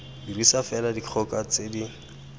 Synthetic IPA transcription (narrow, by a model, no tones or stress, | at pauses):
dirisafɛladiq͡χʰɔkat͡sedi